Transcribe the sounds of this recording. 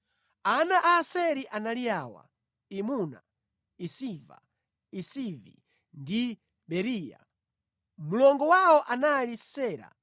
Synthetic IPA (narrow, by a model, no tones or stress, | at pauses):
anaʔaːsɛɾiʔanaliawa̰ | imuna̰ | isiva̰ | isivḭ | ndi | bɛɾiːja̰ | mulɔŋɡɔwaɔʔanalisɛːɾa̰